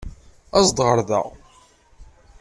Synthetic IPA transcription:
æzd̪ʁəɾðə̰ʁ

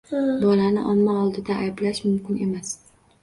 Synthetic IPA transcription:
bɒlanɪʔɒmmaɒlˠd̪ɪd̪aajblaʃmʊmkʲɪne̞mas

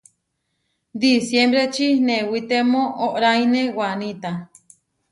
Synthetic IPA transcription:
d̪isjembɾet͡ʃinewit̪emõʔoʔɾajnewanit̪a

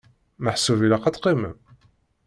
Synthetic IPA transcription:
məħsuvilæqɑt͡s̪qimə̰m

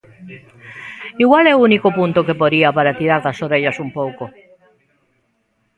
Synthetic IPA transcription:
iɣwalɛounikopũnt̪okepoðiapaɾat̪iɾaɾðasoɾeʎasumpowko

